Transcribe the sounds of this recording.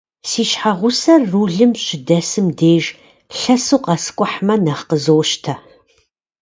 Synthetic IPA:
siːɕħaʁʷʊsɐrːuːɮɨmɕʼɪdɐsɨmdeːʒ | ɬɐsuːqɑsɨ̥kʷʼʊħmɐnɐχqəzowʃtʰɐ

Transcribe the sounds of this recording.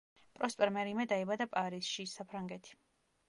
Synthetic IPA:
pʼɾɔspʼɛɾmɛɾimɛd̪aɛbad̪apʼaɾisʃisapʰɾaŋɡɛt̪ʰi̥

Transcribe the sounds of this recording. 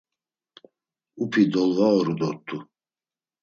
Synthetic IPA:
upʰid̪ɔlvaɔɾɔd̪ɔt̪ʰʼːu

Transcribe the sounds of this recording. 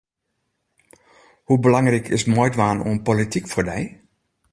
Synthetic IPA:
hubəlaŋrikʰɪ̰smojtʋaːnṵənpolitikfoːrdɛj

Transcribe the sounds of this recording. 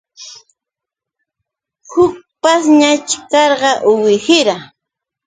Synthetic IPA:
hʊk̚pasɲat͡ʃɪkɑɾɢɑʔʊwɪhɪɾa

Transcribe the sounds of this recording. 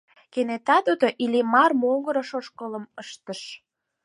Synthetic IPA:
kenet̪ɑt̪ud̪oʔilimɑrmoŋɡəɾə̆ʃoʃkələ̆məʃt̪əʃ

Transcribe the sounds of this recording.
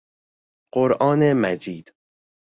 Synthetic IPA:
ɢ̥oɾʔɒːnemæd͡ʒiːd̪̥

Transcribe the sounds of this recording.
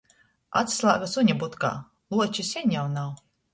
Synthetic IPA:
a̰t̪slˠaːɡasuɲʲabut̪ka̰ː | lˠuɔt͡ʃisʲɛɲʲjawnaw

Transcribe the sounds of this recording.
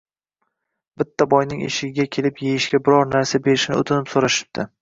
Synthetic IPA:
b̥ɪt̪ʰːabɒjnɪŋḛʃɪɡʲɪɡʲakʲʰe̞lɪpjejɪʃkʲabɪɾɒɾnaɾsabe̞ɾɪʃnɪ̰ot̪ʰɪnɪpsoɾaʃɪ̥p̚d̪̥ʰɪ

